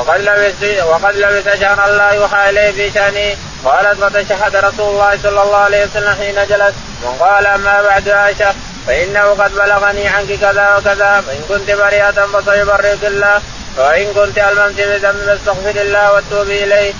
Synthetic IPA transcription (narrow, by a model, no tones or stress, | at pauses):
wɑqɑd̪labɪsaʃahɾʔalːaːjʊːħaːʔɪlajhbɪʃaʔniː | qɑːlat̪fɑt̪aʃaɦːat̪ɾˤɑsuːlʊlˤːɑːhɪsˤɑlːɑlˤːɑːʕalajhwasalːamħiːnad͡ʒalas | ma̰nqɑːlaʔamːaːbaʕd̪ʊhaːʃa | faʔɪnːahʊqɑd̪balaɣaniːʕankɪkaðaːwakaðaːwaʔɪnkʊnt̪ɪbaɾiːʔat̪nfɑs̬ajʊbɑrːɪk̪ɪlːaːh | aʔɪnkʊnt̪ʔalmamt̪ɪbɪðambɪbast̪aɣfɪɾɪlːaːwat̪ːuːbɪʔɪlajh